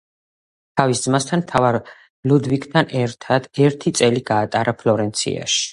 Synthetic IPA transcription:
t̪ʰavisd̪zmast̪ʰanmt̪ʰavaɾ | lud̪vikʰt̪ʰanɛɾt̪ʰad̪̥ɛɾt̪ʰit̪sʼɛliɡaːt̪ʼaɾapʰlɔɾɛnt̪sʰḭa̰ʃi̥

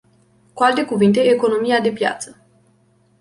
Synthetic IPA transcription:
kualt̪e̞kuvint̪e̞eːko̞no̞miad̪e̞pja̰t̪sə

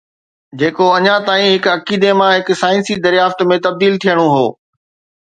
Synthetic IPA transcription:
d͡ʑeːkoɐɲãt̪aːĩɦɪkɐkiːd̪emãɦɪkʊsaːɪnsid̪ɐɾjaːft̪mẽt̪ɐb̚d̪iːlt̪ʰijəɽ̃oɦoː

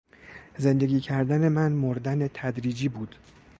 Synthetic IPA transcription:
ze̞nd̪e̞ɡʲiːcʰæɾd̪æne̞mænmoɾd̪ænet̪ʰæd̪ɾiːd͡ʒiːbuːd̪̥

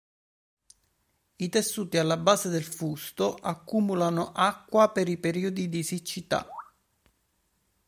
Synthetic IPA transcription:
it̪esːuːt̪ialːabːaːzed̪elfust̪oʔakːumulanoʔakːwapeɾipeɾiːod̪id̪isit͡ʃːit̪a̰

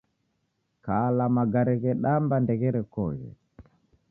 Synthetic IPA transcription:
kalamaɡaɾɛɣɛɗambandɛɣɛɾɛkɔɣɛ̰

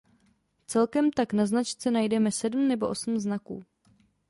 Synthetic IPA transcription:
t͡sɛlkɛmt̪aknaznat͡ʃt͡sɛnajdɛmɛsɛdm̩nɛbo̞ʔo̞sm̩znakṵː

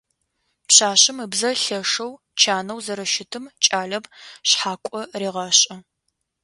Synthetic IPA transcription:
pɕaːɕɨmɨbzɐɬɐʂɐw | t͡ʃʰaːnɐwzɐɾɐʃɪtʰɨmt͡ʃʼaːɮɐbɕħaːkʷʼɔriːʁɑɕʼɐ

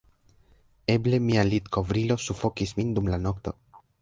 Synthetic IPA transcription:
eble̞mialit̪ko̞vɾilo̞sufo̞kismind̪umlano̞kt̪o̞̰

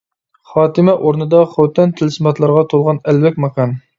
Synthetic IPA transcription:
χɑːt̪ɨmɛʔoɾnɨd̪ɑχowt̪ɛnt̪ʰɪlsmɑt̪lˠɑɾʁɑt̪ʰolˠʁɑnɛlvɛkʲmɑqʰɑn

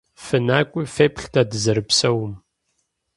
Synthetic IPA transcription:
fɨnaːkʷʼʊfeːpɬtʰadɨzɐɾɨpsɐwm

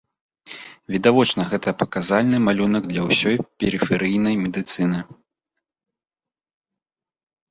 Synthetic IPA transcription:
vʲid̪avɔt͡ʂnɐɣɛt̪ɐpɐkazalʲnɨmalʲunɐɡd̪lʲɐwsʲɔjpʲɛɾɨfʲɛɾɨjnɐjmʲɛd̪ɨt̪sɨnɨ

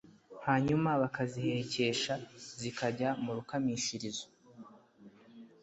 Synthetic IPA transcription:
haːɲumaβakazihe̞ce̞ʃazikaɟamuɾukamiʃiɾizo

